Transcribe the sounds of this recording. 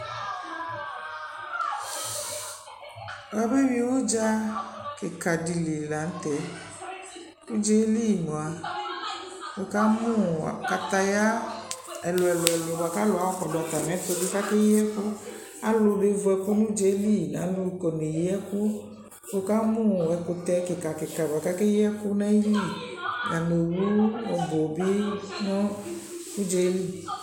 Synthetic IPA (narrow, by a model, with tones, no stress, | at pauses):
wa˦be˦wi˦wo˦d͡ʒa˦ke˨ka˨di˨le˨la˨n̩˦t̪ɛ˨˦ | tu˦d͡ʒe˦li˦ji˨nõ˨a˨ | wo˨ka˦mũ˦a̰˨ka˨t̪a˨ja˦ɛ˨lo˨ɛ˨lɔ˨ɛ˨lo˨wo˨a˨ka˦lo˨˦a˨˦kɔ˨dɔ˨a˨t̪a˨nɛ̃˨˦t̪o˦do˦ka˦ke˦ji˦ɛ˦ku˦ | a˦lo˨ɖe˦vo˨ɛ˨ku˦nũ˦d͡ʒe˦li˦˨nã̰˨˦lo˦i˨kɔ˨ne˨ji˦ɛ˦ku˦ | fo˦ka˦mũ˦˨ɛ˨ko˨t̪ɛ˦ke˨ka˨ke˨ka˨do˨a˨ka˦ke˦ji˦ɛ˦ku˦nã˦i˦li˦˨ja˨ne˨wu˦o˨bo˨bi˦nõ˦ | ku˦d͡ʒe˨˦e˦li˦˨